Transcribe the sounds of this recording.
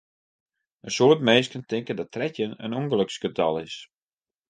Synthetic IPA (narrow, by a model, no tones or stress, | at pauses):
ənsoətmeːskəntɪŋkədɔttʰrɛtjənə̰nuŋɡəløksɡətʰɑ̰lˠɪs